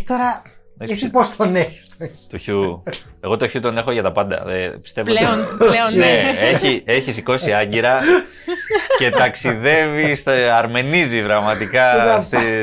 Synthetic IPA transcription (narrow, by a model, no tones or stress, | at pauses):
t̪oɾɐ | esipost̪oneçi̥st̪ot̪uçue̞ɣo̞t̪o̞çut̪o̞ne̞xoʝɐt̪ɐpɐnd̪ɐ̰ðepist̪e̞vleonleoneeçie̞çisiko̞siɐɲɟiɾɐ | ce̞t̪ɐksiðe̞vist̪ɐɾme̞nizivɾɐɣmɐt̪ikɐst̪i